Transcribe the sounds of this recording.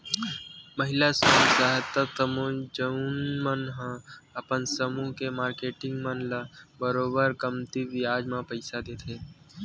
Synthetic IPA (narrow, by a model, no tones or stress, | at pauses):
məɦɪlasoːsaɦət̪ːət̪ːəmõd͡ʒəunnmənɦãəpənsəmũkemaːɾkeːʈɪ̃ŋɡmə̃nlabəɾoːbəɾkəmt̪iʋɪjaːd͡ʒmãpəɪsad̪eːt̪ʰeː